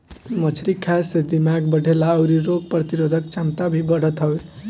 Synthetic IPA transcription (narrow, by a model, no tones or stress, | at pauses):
mət͡ʃʰɾikʰased̪imaɡbəɽʱelaəʊɾiɾoɡ̚pɾət̪iɾod̪ʱək̚t͡ʃamt̪abʱibəɽ̤ət̪ɦəbe